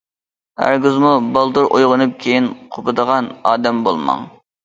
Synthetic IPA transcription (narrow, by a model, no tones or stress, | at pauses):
æ̰ɾɡʲuzmubɑlˠd̪uɾʔojʁənɨp̚kʲʰejinqʰopʰɨd̪əʁɑnɑːd̪ɛmbo̰lˠmɑ̰ŋ